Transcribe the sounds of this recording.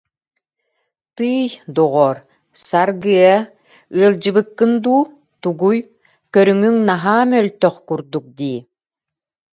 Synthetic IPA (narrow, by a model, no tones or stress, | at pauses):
t̪ɯːjd̪ɔʁɔɾ | saɾɡɯə | ɯɐlˠd͡ʑɯβɯkːɯnd̪uː | t̪uɡuj | kœɾyŋyŋnaɦaːmœlt̪œχkuɾd̪uk̚d̪iː